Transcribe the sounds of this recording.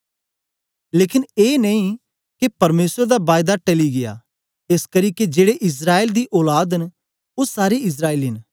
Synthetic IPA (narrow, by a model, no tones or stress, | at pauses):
leːkɪneːnɐ̃ĩ | kepɐɾmeːsəɾd̪abaːjd̪aʈɐliɡɪja̰ː | eskɐɾiːked͡ʒeːɽeʔɪs̬ɾaːeːld̪iʔɔːlaːd̪ɦɪn | ʊsaːɾeɪs̬ɾaːeːlɦɪn